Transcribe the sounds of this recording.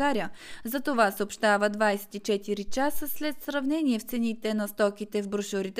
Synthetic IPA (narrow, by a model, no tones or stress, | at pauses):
aɾiəzɐt̪ovasopʃt̪avəd̪vajsɛ̥t̪it͡ʃɛt̪iɾit͡ʃasəslɛt̪sɾɐvnɛniɛft̪sɛnit̪ɛnɐst̪ɔkʲit̪ɛvbɾʊʃʊɾit̪